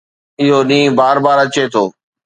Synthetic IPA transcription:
ɪɦoɗĩːbaːɾbaːɾɐt͡ɕet̪ʰoː

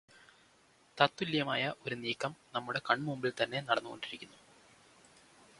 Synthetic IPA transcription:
t̪ɐt̪ːuljɐmaːjɐʔo̞ɾuniːkːɐmnɐmːuɽe̞kɐɳmumbilt̪ɐnːe̞nɐɽɐnːɨɣo̞̰ɳɖiɾikʲːunːu

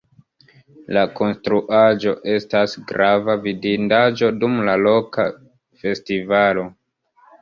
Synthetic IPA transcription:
lako̞nstɾuʔad͡ʒo̞ʔe̞stasɡɾavavidindad͡ʒo̞dumlalo̞ka | fe̞stivalo̞

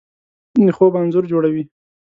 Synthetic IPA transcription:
d̪əxobanzʊɾd͡ʒoɽawi

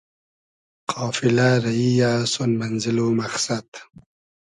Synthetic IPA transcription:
qʰɑːfilaɾaijasonmanzilomaχsad̪

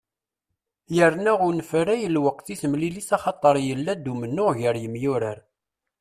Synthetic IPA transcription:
jəɾnæʁʊnəfɾæjəlwəq̚θiθəmlilisɑχɑt̪ˤəɾˤjəlːæd̪umənːʊʁʝəɾjəmjʊɾəɾ

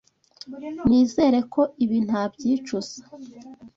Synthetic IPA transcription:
niːze̞ːɾe̞kʰo̞ʔiβin̥habɟiːt͡ʃuz̥ḁ

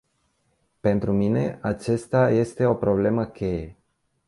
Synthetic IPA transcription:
pe̞nt̪ɾumine̞at͡ʃest̪aje̞st̪e̞o̞pɾo̞ble̞məkʲe̞je

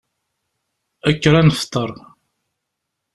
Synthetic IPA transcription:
ækːɾænəft̪ːəɾˤ

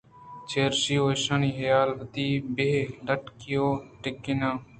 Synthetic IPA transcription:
t͡ʃʰeːɾʃioːʃɐniːɦɐjaːlt̪iːbeːɖɐʈkijoːʈɪkːɪnãː

